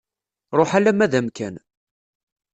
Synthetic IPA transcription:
ɾˤoħalæmæðæmkæn

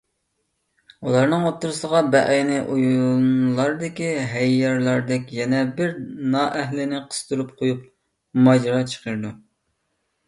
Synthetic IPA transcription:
ulˠɑɾnɨŋot̪ːuɾɨsəʁɑbɛʔnɪʔujunlˠɑɾd̪ɪkʲiɦɛjːɑɾlˠɑɾd̪ɛkʲjɛnɛbɪɾnɑʔɛɦlɪnɪqʰə̥st̪uɾup̚qʰojup̚ | mɑd͡ʒɾɑt͡ʃʰə̥qəɾɨd̪u

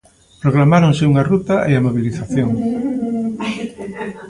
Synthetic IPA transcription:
pɾoɣlamaɾoŋsɪuŋarut̪ɐʔeamoβiliθaθjoŋ

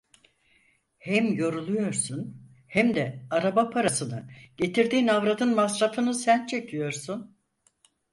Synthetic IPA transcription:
hɛmjo̞ɾulˠujo̞ɾsun | hæmd̪ɛaɾabapʰaɾasɯnɯɟ̥e̞t̪ʰiɾd̪iːnavɾad̪ɯnmasɾafɯnɯsænt͡ʃʰe̞cʰijo̞ɾsun

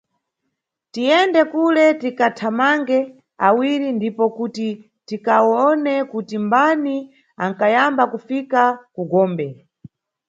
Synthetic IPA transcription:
tijɛndɛkulɛtikatʰamaŋɡɛ | awiɾindipɔkuti | tikaɔnɛkutimbani | aŋkajambakufikakuɡɔːmbɛ

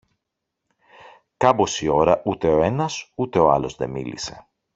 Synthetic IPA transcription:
kɐbo̞sio̞ɾɐʔut̪e̞o̞e̞nɐsut̪e̞oɐ̰lo̞zðe̞mḭlḭse̞̥̰

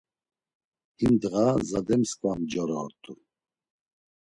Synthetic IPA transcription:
imd̪ɣazad̪ɛmskʼvamd͡ʒɔɾɔːɾt̪ʼʰu

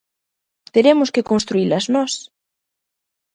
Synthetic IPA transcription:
t̪eɾemʊskɪkõnst̪ɾuilɐznɔs

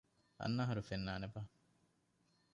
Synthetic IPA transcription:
ɐ̰nːaɦɐɾufenːaːneba

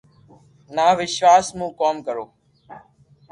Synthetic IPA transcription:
naːʋɪʃʋaːsmũːkoːmkəɾoː

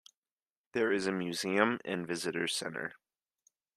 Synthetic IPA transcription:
ðə˞ɪzɨmjʉziə̃mɨ̰̃nvɪzɨɾə̥˞sɛ̰̃nə̰˞

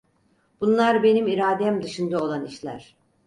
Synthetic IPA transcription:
b̥unlˠaɾbe̞nimiɾaːd̪ɛmd̪ɯʃɯnd̪ao̞lˠaniʃlʲæ̰ɾ̥

